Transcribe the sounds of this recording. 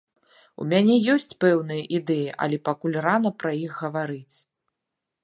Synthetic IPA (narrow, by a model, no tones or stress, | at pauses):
ṵmʲanʲɛjɔsʲt͡sʲpɛwn̪ɨjɐʔid̪ɛjiʔɐ̰lʲɛpakulʲranɐpɾɐjixɣɐvaɾɨt͡sʲ